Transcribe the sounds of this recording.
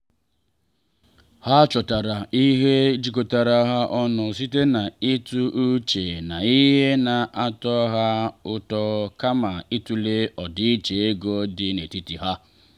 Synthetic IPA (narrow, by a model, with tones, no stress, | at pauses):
ha˦t͡ʃɔ˨ta˨ɾa˨i˦ɦe˦d͡ʒi˨ko˨ta˨ɾa˨˦ɦa˦ʔɔ˦nɔ˨s̬i˦te˦na˨i˦tu˦ʔu˦t͡ʃe˨na˨i˦ɦe˦na˨ʔa˦tɔ˦ɦa˦ʊ˦tɔ˦ka˦ma˨i˦tu˦le˦ɔ˨dɪ˦t͡ʃe˨e˦ɡo˦dɪ˦ne˨ti˦ti˨ɦa˦